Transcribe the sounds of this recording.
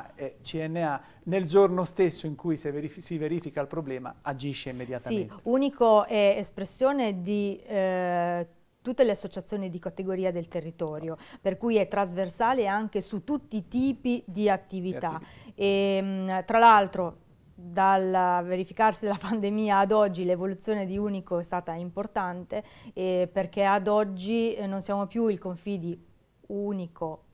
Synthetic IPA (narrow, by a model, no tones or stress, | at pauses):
ɛt͡ʃiɛnːea | neld͡ʒornost̪esːoiŋkujseisiveɾiːfikailpɾoblɛːma̰ad͡ʒiʃːeimːed̪jatsaiunikoɛespɾesːjoːned̪i | t̪ut̪ːeleasːot͡ʃat̪sːjoːnid̪ikat̪eɡoɾiːad̪elt̪erːit̪ɔːɾjoperkujɛt̪ːɾazversaːleaŋk̟esut̪ːut̪ːit̪iːpid̪iat̪ːiviaemt̪ɾalalt̪ɾo | d̪alveɾifikarsid̪elapand̪emiːaːd̪ɔd͡ʒːilevolut̪sːjoːned̪iuːnikoɛst̪aːt̪aimport̪ant̪eperk̟ead̪ɔd͡ʒːinonsjaːmopjuilkoɱfid̪i | uːnikʰo